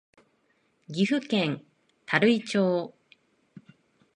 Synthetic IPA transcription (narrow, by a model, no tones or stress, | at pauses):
ɡʲiɸɯ̟kẽ̞n | t̪ʰaɾɯ̟it͡ɕoː